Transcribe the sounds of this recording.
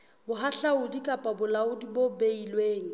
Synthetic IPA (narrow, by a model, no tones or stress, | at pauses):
bʊɦaɬaʊdikʼapʼabʊlaʊdibobeilweːŋ̩